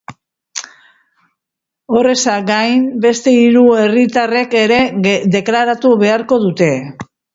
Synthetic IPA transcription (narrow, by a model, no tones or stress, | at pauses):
o̞re̞saɡajmbe̞st̪e̞iɾue̞rit̪are̞ke̞ɾe̞ðe̞klaɾat̪uβe̞aɾko̞ðut̪e̞